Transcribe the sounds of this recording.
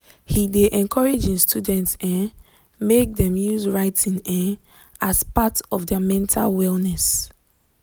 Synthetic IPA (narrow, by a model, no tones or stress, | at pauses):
hideʔɛ̃nkʰɔɹed͡ʒĩnstʰudɛ̃ntsɛ̃n | mek̚dɛ̃mjuzɹaɪtĩnɛ̃n | aspatɔfdɛmɛ̃ntʰa̰lwɛlnɛs